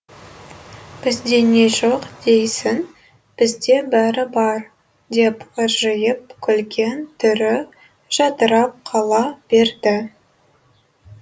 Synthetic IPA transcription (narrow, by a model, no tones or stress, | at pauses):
b̥ɪzd̪e̞ne̞ʒoqd̪ejsɪn | b̥ɪzd̪e̞bæɾɪbɑɾ | d̪e̞pəʒəjəp̚kʲʰʏlɡʲent̪ʰʏɾɪ | ʒ̥ɑt̪əɾɑp̚qʰɑlˠɑb̥e̞ɾd̪ɪ